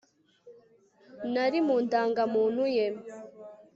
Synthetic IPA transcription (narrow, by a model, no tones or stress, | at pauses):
naɾimuːndaːŋɡamuːnhuje